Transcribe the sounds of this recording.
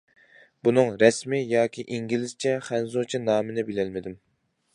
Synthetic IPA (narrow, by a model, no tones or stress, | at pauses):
b̥unɨŋɾɛsmɪjɑːkʲʰiʔiŋɡʲilɪzt͡ʃʰɛχænzot͡ʃʰinɑːmɨnɪbelɛlmɪd̪ɪm